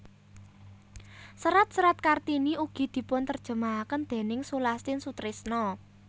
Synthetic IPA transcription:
səɾat̪̚səɾat̪̚kart̪iniuɡ̥i̤d̪̥i̤pʊnt̪ərd̥ʒ̥ə̤maːkənd̪̥e̤nɪŋsulast̪ɪnsut̪ɾɪsnɔ

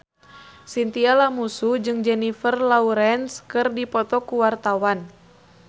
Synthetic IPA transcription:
sint̪ialamusud͡ʒɨŋd͡ʒɛnifərlauɾɛnskɨrdipɔt̪ɔkuwart̪awan

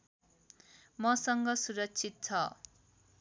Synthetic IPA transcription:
mʌsʌŋɡʌsuɾʌkt͡sʰit̪̚t͡sʰʌ

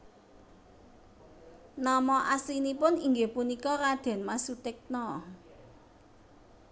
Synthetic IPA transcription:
nɔmɔʔasinipʊniŋɡepunikɔɾad̪̥ɛ̤nmasut̪ɪk̚nɔ

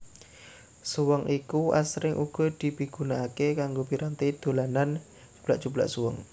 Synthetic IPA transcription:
suwɔŋʔikuʔa̰sɾɪŋʔuɡ̥ɔ̤d̪̥i̤piɡ̥unaːkekaŋɡopiɾant̪id̪̥o̤lanan | d͡ʒu̥b̥laʔd͡ʒ̥ub̥la̰ʔsuwɔ̰ŋ

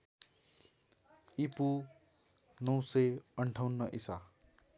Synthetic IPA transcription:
ipu | nʌw̃sʌʌɳʈʰawnːʌʔisa

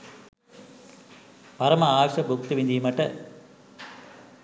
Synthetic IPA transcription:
pɐɾɐmɐaːʋɐʂɐbuk̚t̪ɯʋind̪ijmɐʈːɐ

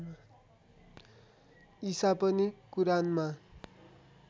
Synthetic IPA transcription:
isapʌnikuɾanma

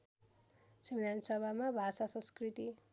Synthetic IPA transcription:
sʌmid̪ʱansʌbʱamabʱasasʌ̃skrit̪i

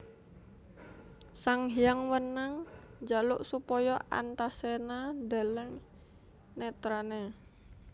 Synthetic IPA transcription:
saŋɦiaŋwənaŋd͡ʒaluʔsupɔjɔʔa̰nt̪asenada̤ləŋ | net̪ɾane

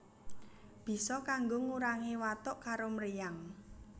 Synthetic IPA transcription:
b̥i̤sɔkaŋɡoŋuɾaŋewat̪ʊʔkaɾomɾijaŋ

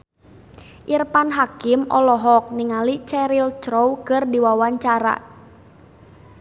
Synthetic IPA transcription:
ʔirpanɦakɪmʔɔlɔɦɔk̚niŋalit͡ʃɛɾilt͡ʃɾowkɨrdiwawaɲt͡ʃaɾa̰

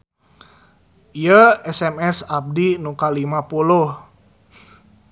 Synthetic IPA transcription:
ijəɛsɛmɛsap̚dinukalimapulʊh

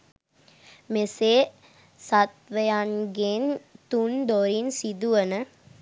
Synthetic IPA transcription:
mese | sat̪ʋəjanɡent̪und̪oɾinsid̪uʋənə

